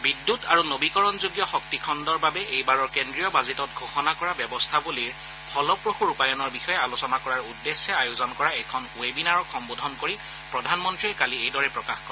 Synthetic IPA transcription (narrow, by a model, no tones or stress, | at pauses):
bidːutaɹunobikɔɹɔnzuɡjɔxɔk̚tikʰɔndɔɹbabɛʔejbaɹɔɹkendɹijɔbazetɔt̚ɡʱoxɔnakɔɹabjɛbɔstʰabuliɹ | pʰɔlɔpɹoxuɹupajɔnɔɹbixɔjɛalosɔnakɔɹaɹudːesːɛajuzɔnkɔɹaɛkʰɔnwebinaɹɔkxɔmbodʱɔnkoɹi | pɹɔdʱanmɔntɹiɛkaliejdɔɹɛpɹɔkaxkɔɹ